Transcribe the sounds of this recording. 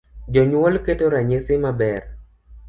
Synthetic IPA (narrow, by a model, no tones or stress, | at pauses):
d͡ʒɔɲwɔlketoɾaɲesɪmabɛr